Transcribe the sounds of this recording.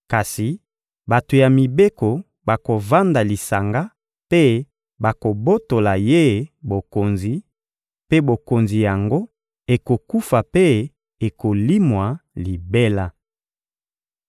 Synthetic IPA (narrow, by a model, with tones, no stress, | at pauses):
ka˨si˨ | ba˨to˨ja˨mi˨be˦ko˨ | ba˨ko˨va˦nda˨li˨sa˨ŋɡa˦ | pe˦ | ba˨ko˨bo˦to˨la˨je˦bo˨ko˨nzi˨ | pe˦bo˨ko˨nzi˨ja˨ŋɡo˦ | e˨ko˨ku˦fa˨pe˦ | e˨ko˨li˦mwa˨li˨be˦la˦